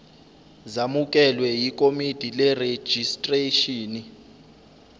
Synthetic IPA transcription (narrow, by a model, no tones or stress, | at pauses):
zamukʼɛlwɛjik̬ʼomid̥ʱilɛre̥d͡ʒ̥ʱistʼreʃiːni